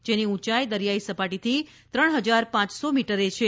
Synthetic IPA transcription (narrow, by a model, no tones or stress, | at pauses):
d͡ʒeniũt͡ʃajd̪əɾjaisəpaʈit̪ʰi | t̪ɾəɳɦəd͡ʒaɾpãt͡ʃsomiʈəɾet͡ʃʰe